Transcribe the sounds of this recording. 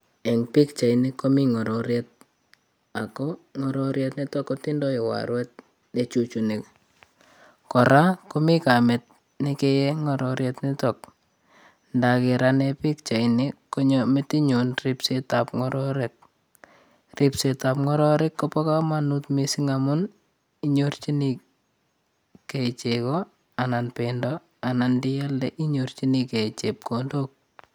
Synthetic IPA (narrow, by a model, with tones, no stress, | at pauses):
e˨ŋpi˦kt͡ʃa˨ini˦ko˦mi˦ŋɔ˨ɾɔɾjet̚ | a˨kɔ˦ŋɔ˨ɾɔ˦ɾje˦tni˦to˦kːo˦ti˦ndɔ˦i˨wa̰˨ɾwɛ˦t̚ | ne˨t͡ʃu˨t͡ʃu˨ni˨k | kɔ˨ɾa˦ko˦mɪ˦ka˨me˨t̚ | ni˦ke˦je˦ŋɔ˨ɾɔ˨ɾje˦tnɪ˦to˨k̚ | nda˨kɪ˨ɾa˦ne˦pi˦kt͡ʃa˨ini˦kːo˦ɲɔmɪti˦ɲunripsetap̚ŋɔ˦ɾɔɾek̚ | ripseta˨pŋɔ˦ɾɔɾekːopɔ˦ka˦ma˦nutmisi˦ŋamʊ˦n | iɲort͡ʃi˦ni | ke˨it͡ʃekɔ | a˨na˨npendɔ | a˨na˨ndi˦ja˦lːɛ˦ʔi˦ɲort͡ʃi˦nike˨t͡ʃep̚kondok̚